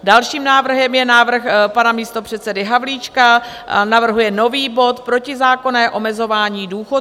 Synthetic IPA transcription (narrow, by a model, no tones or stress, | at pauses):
dalʃiːmnaːvr̩ɦɛmjɛnaːvr̩xpanamiːst̪o̞pr̝̥ɛt̪sɛdɪɦavliːt͡ʃka | navr̩ɦujɛno̞viːbo̞t̪pɾo̞cɪzaːko̞nɛːʔo̞mɛzo̞vaːɲiːduːxo